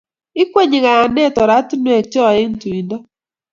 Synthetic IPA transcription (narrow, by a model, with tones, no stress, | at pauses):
ɪ˦kwe˦ɲɪ˨ɣa˨a˨nɛ˦˨tɔ˨ɾa˦tu˦nwe˨t͡ʃɔ˦a˨ɪ˦n˦tu˨i˨nda˦